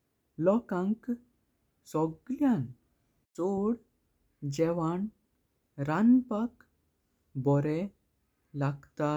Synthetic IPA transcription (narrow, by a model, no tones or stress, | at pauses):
lɔkãŋk | sɔɡljãn | t͡soɽ | d͡ʑɛʋaɳ | ɾanpak | bɔɾɛ | laɡt̪a